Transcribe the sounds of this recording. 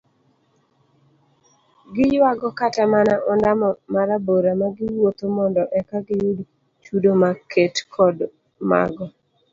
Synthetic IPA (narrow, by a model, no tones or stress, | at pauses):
ɡɪjwaɡɔkatamanaʔɔndamɔmaɾaboɾamaɡɪwot̪omɔndɔʔɛkaɡɪjud | t͡ʃudomakʰetkʰɔd | ma̰ɡɔ